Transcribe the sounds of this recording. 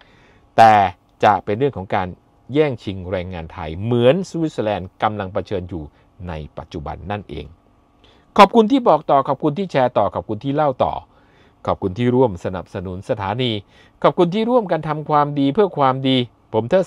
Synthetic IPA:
t̪ɛː˨˩ | t͡ɕa˨˩pe˧nɾɯ˥˩əŋkʰɔː˩˦ŋkaː˧n | jɛː˥˩ŋt͡ɕʰi˧ŋɾɛː˧ŋːaː˧nt̪ʰa̰˧jmɯ˩˦ənsu˧wi˦t̪̚slɛː˧nka˧mla˧ŋpa˧t͡ɕʰɤː˧njuː˨˩ | na˧jpa˨˩t̪̚t͡ɕu˨˩ba̰˧nːa˥˩nʔḛː˧ŋ | kʰɔː˨˩p̚kʰu˧nt̪ʰiː˥˩bɔː˨˩k̚t̪ɔː˨˩kʰɔː˨˩p̚kʰu˧nt̪ʰiː˥˩t͡ɕʰɛː˧t̪ɔː˨˩kʰɔː˨˩p̚kʰu˧nt̪ʰiː˥˩la˥˩wt̪ɔ̰ː˨˩ | kʰɔː˨˩p̚kʰu˧nt̪ʰiː˥˩ɾu˥˩əmsa˧na̰˨˩p̚sa˧nu˩˦nsa˧t̪ʰaː˩˦niː˧ | kʰɔː˨˩p̚kʰu˧nt̪ʰiː˥˩ɾu˥˩əmkaː˧nt̪ʰa˧mkʰwaː˧mdiː˧pʰɯ˥˩əkʰwaː˧mdiː˧ | pʰo˩˦mt̪ʰɤː˥˩

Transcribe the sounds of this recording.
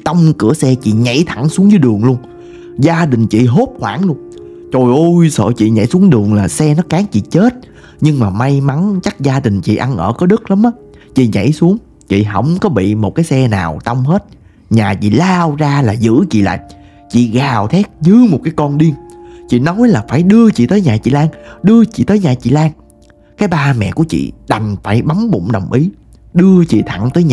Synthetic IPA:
t̪ə˧wŋ͡mkɨ˧˩əsɛ˧t͡ɕḭ˧˨ɲa̰˧˥jt̪ʰa˧˩ŋsu˨˦ŋzəː˨˦jɗɨ˨˩əŋlu˧ən | zaː˧ɗï˨˩ŋ̟t͡ɕḭ˧˨ɦo˦˥p̚xwaː˧˩ŋlu˧ən | t͡ɕo˨˩jʔo˧jsə̰ː˧˨t͡ɕḭ˧˨ɲa̰˧˥˩jsu˨˦əŋɗɨ˨˩əŋlaː˨˩sɛ˧nɔ˨˦kaː˨˦ŋt͡ɕḭ˧˨t͡ɕe˦˥t̚ | ɲɨ˧ŋmaː˨˩ma˧jma˨˦nt͡ɕa˦˥k̚zaː˧ɗï˨˩ŋ̟t͡ɕḭ˧˨ʔa˧nʔəː˧˩kɔ˨˦ɗɨ˦˥k̚la˨˦mʔaː˨˦ | t͡ɕḭ˧˨ɲa̰˧˩jsu˨˦əŋ | t͡ɕḭ˧˨ɦə̰˧˩wŋ͡mkɔ˨˦ɓḭ˧˨mo˨˩t̚kaː˨˦jsɛ˧na̰ː˨˩wt̪ə˧wŋ͡mhe˦˥t̚ | ɲaː˨˩t͡ɕḭ˧˨laː˧wzaː˧laː˨˩zɨ̰˧˥t͡ɕḭ˧˨la̰ː˧˨j | t͡ɕḭ˧˨ɣaː˨˩wt̪ʰɛ˦˥k̚zɨ˨˦mo˨˩t̚kaː˨˦jkɔ˧nɗi˧əŋt͡ɕḭ˧˨nɔ˨˦wjlaː˨˩faː˧˩jɗɨ˧ət͡ɕḭ˧˨t̪əː˨˦jɲaː˨˩t͡ɕḭ˧˨laː˧ŋɗɨ˧ət͡ɕḭ˧˨t̪əː˨˦jɲaː˨˩t͡ɕḭ˧˨laː˧ŋ | kaː˨˦jɓaː˧mɛ̰˧˨ku˧˩ət͡ɕḭ˧˨ɗa˨˩ŋfaː˧˩jɓa˨˦ŋɓʊ̰˧˨ŋ͡mɗə˨˩wŋ͡mʔi˨˦ | ɗɨ˧ət͡ɕḭ˧˨t̪ʰa˧˩ŋt̪əː˨˦jɲaː˨

